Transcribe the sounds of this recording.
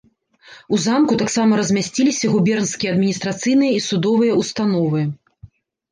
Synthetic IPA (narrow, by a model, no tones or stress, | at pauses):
uzamkut̪aksamɐɾɐzʲmʲasʲt͡sʲilʲisʲɐɣubʲɛrnskʲijɐɐd̪mʲinʲist̪ɾat̪sɨjnɨjɐisud̪ɔvɨjɐust̪an̪ɔvɨ